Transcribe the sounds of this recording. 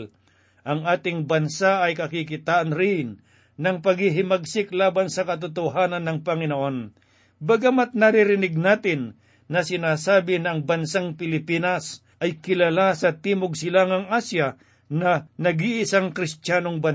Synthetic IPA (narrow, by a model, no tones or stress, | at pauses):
ʔɐŋaːt̪ɪŋbɐnsaʔɐjkɐkikɪt̪aːʔɐnɾɪnː | ɐŋpɐɡhɪɦɪmɐɡ̚sɪklaːbɐnsɐkɐt̪ʊt̪oɦaːnɐnːɐŋpɐŋɪnoʔo̞n | bɐɡamat̪̚nɐɾɪɾɪnɪɡ̚naːt̪ɪnː | ɐsɪnaːsaːbɪnɐɐŋbɐnsaŋpɪlɪpiːnɐs | ʔɐjkɪlalasɐt̪iːmoɡ̚sɪlaŋɐŋʔaːsja | nɐnɐɡiʔɪsaŋkɾɪst̪jaːnoŋbɐn